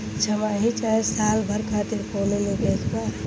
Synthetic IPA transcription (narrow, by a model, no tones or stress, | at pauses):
t͡ʃʰəmaɦit͡ʃasaːlbʱəɾkʰaːt̪iɾkonenikekbaɾ